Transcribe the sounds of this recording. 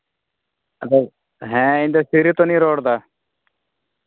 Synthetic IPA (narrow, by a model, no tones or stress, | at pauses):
əd̪a | ɦɛ̃ːɪ̃nd̪esiːɾit̪oːnĩːɾoːɽd̪aː